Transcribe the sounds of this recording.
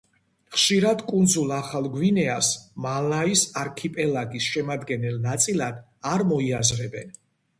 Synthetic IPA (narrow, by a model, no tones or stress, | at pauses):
χʃiɾad̪kʼund̪zulˠaχalˠɡwinɛasmalaisaɾkʰipʼɛlaɡisʃɛmad̪ɡɛnɛlnat̪sʼilˠad̪ | aɾmɔiazɾɛbɛn